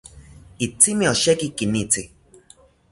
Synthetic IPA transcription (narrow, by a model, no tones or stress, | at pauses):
it͡simĩɔʃɛkikinĩt͡si